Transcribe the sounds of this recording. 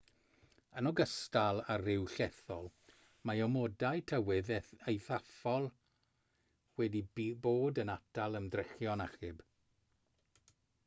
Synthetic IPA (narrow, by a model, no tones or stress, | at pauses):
ənɔɡəstalˠarɪwɬɛθɔlˠ | maɔmɔdajtʰəwɪðejθafɔlˠ | wɛdiboːdənatʰalˠəmdrɛχjɔnaχɨb